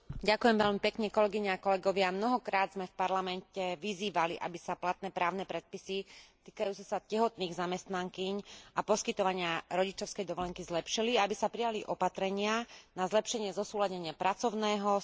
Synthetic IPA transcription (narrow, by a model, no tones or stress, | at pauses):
ɟakujɛmʋɛʎmipɛkɲɛkɔlɛɡiɲɛakɔlɛɡɔʋɪamnɔɦɔkɾaːd̪zmɛfpaɾlamɛncɛʋiziːʋaliʔa̰bisaplat̪̚nɛːpɾaːʊnɛpɾɛt̪̚pisit̪iːkajuːt͡sɛsacɛɦɔt̪niːɣzamɛst̪naŋkiɲapɔskit̪ɔʋaɲɪaɾɔɟit͡ʃɔʊskɛjd̪ɔʋɔlɛŋkizlɛpʃiliaabisapɾijaliʔɔpat̪ɾɛɲɪanazlɛpʃɛɲɪɛzɔsuːlaɟɛɲɪapɾat͡sɔʊnɛːɦɔ